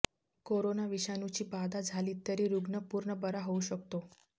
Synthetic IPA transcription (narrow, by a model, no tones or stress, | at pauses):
koɾonaʋiɕanut͡ɕiːbad̪ad͡zʱaliːt̪əɾiːɾuɡnəpuɾɳəbəɾaɦouɕəkt̪o